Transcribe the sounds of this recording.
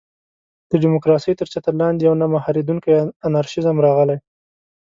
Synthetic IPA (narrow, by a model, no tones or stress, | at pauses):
d̪̥əɖɪmʊkɾɑsəjt̪əɾt͡ʃat̪alɑnd̪jawnamahɑɾid̪uŋkajanaɾʃɪzəmɾɑɣəlaj